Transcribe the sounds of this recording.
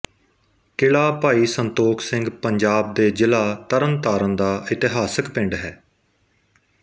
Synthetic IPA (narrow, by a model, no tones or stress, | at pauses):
kɪɭaːpaːiːsənt̪oːkʰsɪ̃ŋɡpəɲd͡ʒaːb̚d̪eːd͡ʒɪlaːt̪əɾənt̪aːɾə̃nd̪aːʔɪt̪ɪɦaːsəkpɪ̃ɳɖɦɛː